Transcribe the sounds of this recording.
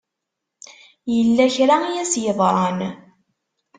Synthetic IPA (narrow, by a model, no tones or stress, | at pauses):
jəlːæçɾaijæsjəðˤɾˤɑn